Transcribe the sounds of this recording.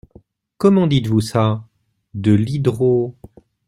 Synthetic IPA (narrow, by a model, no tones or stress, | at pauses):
kɔmɑ̃d̪it̪vusa | d̪əlid̪ʁo